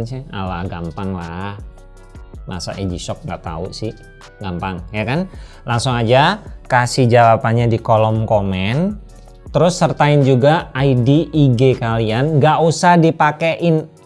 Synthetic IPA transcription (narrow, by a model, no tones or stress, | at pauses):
nsɪhalahɡampaŋlah | ma̰sa̰ʔed͡ʒisɔk̚ŋɡa̰ʔt̪a̰ṵʔsɪh | ɡampaŋjakan | laŋsʊŋad͡ʒakasihd͡ʒawapanɲadikolɔmkomɛn | t̪əɾʊsːərt̪aɪnd͡ʒuɡaːidiʔiɡekalianɡaʔusahdipakeʔɪn